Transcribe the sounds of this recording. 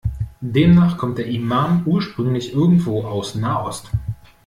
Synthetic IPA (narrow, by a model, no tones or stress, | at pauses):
d̥eːmnaːχkʰɔmt̚d̥eːɐʔimaːmʔuːɐʃpʁ̥ʏŋlɪçʔɪɐɡŋ̩tv̥oːʔaʊsnaːʔɔst